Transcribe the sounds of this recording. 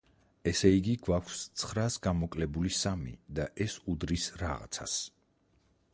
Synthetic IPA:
ɛsɛiɡiɡwakʰst̪sʰχɾasɡamɔkʼlɛbulisamḭd̪aʔɛsud̪ɾisɾaʁa̰t̪sʰa̰s

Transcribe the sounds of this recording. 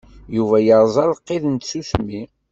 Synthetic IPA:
juvæjəɾˤzˤɑlˤqːeðənt̪susmi

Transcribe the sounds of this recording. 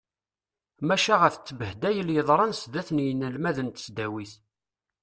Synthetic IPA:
mæʃæʁæθt͡sːəbəhd̪æjəljəðˤɾˤɑnsd̪æθnjənːəlmæðənt̪ə̥sd̪æwiθ

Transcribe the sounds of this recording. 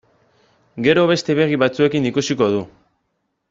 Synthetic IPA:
ɡe̞ɾo̞βe̞st̪e̞βe̞ɣiβat͡sue̞kinikusiko̞ð̞u

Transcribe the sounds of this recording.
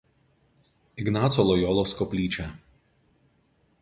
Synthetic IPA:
ɪɡnɑːt̪sɔlˠɔːjɔːlˠoːskɔpʲlʲiːt͡ʃʲɛ

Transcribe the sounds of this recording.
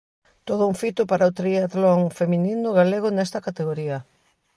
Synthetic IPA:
t̪oðʊuŋfit̪ʊpaɾaot̪ɾiaðloŋfemininʊɣaleɣ̞ʊnɛst̪ɐkat̪eɣ̞oɾiɐ

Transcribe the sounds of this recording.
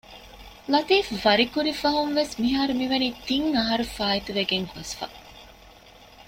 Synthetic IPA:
lɐt̪iːfʋɐɾikuɾifɐɦumʋesmiɦaːɾumiʋɐniːt̪iŋɐɦɐɾufaːit̪uʋeɡeŋhɐsfɐ̰

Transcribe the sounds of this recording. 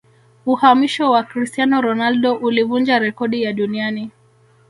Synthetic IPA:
uhamiʃɔwakɾistianɔɾɔnalɗɔʔulivund͡ʒaɾɛkɔɗijaɗuniani

